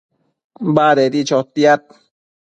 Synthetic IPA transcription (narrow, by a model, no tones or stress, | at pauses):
baːd̪ed̪it͡ʃɔt̪ːiat̪̚